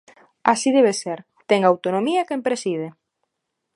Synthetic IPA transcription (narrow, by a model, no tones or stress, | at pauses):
asið̞ɛβ̞eseɾ | t̪ɛŋawt̪onomiɐkempɾesið̞e